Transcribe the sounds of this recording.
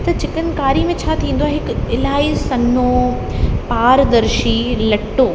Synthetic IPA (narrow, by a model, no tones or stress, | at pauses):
t̪ɐd͡ʑɪkənɪ̆kaːɾimẽt͡ɕʰaːt̪ʰĩːn̆d̪owaːɦɪkɪlaːisɐno | paːɾd̪ɐɾʃilɐʈoː